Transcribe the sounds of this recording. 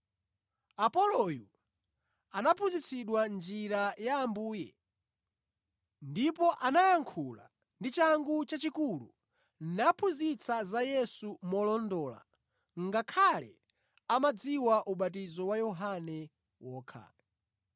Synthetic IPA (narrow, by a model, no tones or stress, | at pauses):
apɔlɔju | anapʰuzit͡sʰiɗwand͡ʒiɾajaːmbuːjɛ | ndipɔʔanajaŋkʰula̰ | ndit͡ʃaŋɡut͡ʃat͡ʃikulṵ | n̩napʰuzit͡sʰazajɛsumɔlɔndɔːla̰ | ŋɡakʰalɛ̰ | amad͡ziwaʔuɓat̬izɔwajɔɦanɛ | wɔːkʰa̰